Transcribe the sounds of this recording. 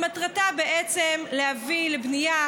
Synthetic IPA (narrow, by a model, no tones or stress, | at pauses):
mat̪ʁatabeʔet͡semlehavilebnija